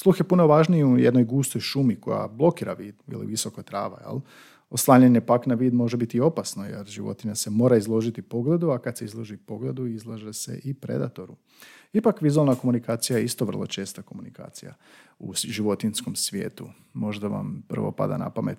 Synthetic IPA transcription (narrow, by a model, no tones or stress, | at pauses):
slˠuxjepunoʋaʒniujḛd̪nojɡuːst̪ojʃumiko̞̰ja̰blˠo̞kiːɾaʋiːd̪ḭlḭʋisokot̪ɾa̰ːʋa̰jḛlˠ | o̞slˠaːɲeɲepaknaʋiːd̪mo̞ʒebit̪io̞pasno̞jḛɾʒiʋo̞̰t̪iɲase̞mo̞ːɾaizlˠo̞ʒit̪ipo̞ɡle̞d̪uakad̪se̞izlˠoʒipo̞ɡle̞d̪uizlˠaʒese̞̰ʔipɾe̞̰d̪a̰t̪o̞ɾu | ipakʋizualˠnako̞munikaːt̪sijajeist̪o̞ʋr̩lˠo̞̰t͡ʃe̞ːst̪ako̞munika̰ːt̪sija̰ | uʒiʋo̞t̪insko̞msʋje̞̰ːt̪u | mo̞ʒd̪aʋa̰mpər̩ʋo̞̰pa̰d̪a̰na̰pame̞̰t̪